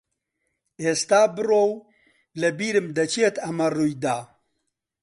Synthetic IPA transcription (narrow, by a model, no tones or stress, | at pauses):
eːst̪aːbɨroːw | lɐbiːɾɨmd̪ɐt͡ʃet̪ɐmɐrujd̪aː